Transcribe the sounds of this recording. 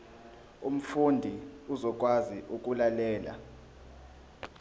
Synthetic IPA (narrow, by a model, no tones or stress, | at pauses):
um̩fundʱiuzɔk̬ʼwaziʔuk̬ʼulalɛːla̰